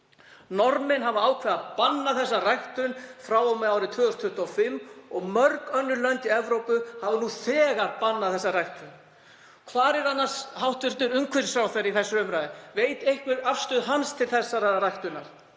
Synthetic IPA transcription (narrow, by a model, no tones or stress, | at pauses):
nɔɾmɪnɦavaaːwkʰvɛːðapanːaθɛs̬ːarajht̪ʏnfɾaːwɔmɛðaːwɾɪt̪ʰvʏːðʏst̪ʰʏht̪afɪmːɔɣmœɾkœnːʏlœnt̪iɛvɾowpʏhavanuθɛːɣaɾpanːaðθɛsːarajht̪ʏn | kʰvaːɾɛɾanːḁshawht̪vɪɾ̥t̪ʏɾʏŋkʰvɪɾsɾaːwθɛɾiθɛsːʏʏmɾajðɪveːjt̪ejhkvɪɾafst̪ʏðɦanst̪ʰɪlθɛsːaɾarajht̪ʏnaɾ̥